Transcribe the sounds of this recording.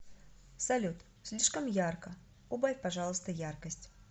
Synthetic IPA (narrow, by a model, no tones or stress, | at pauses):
sɐlʲut̪ | sʲlʲiʂkəmjarkə | ubajʲpɐʐalˠəst̪əjarkəsʲtʲ